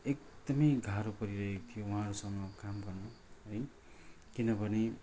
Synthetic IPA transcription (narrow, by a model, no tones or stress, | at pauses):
ekd̪ʌmʌjɡʱaɾopʌɾiɾʌɦekt̪ʰijowuɦãɾusʌŋɡʌkamɡʌrno | ɦʌj | kinʌbʌne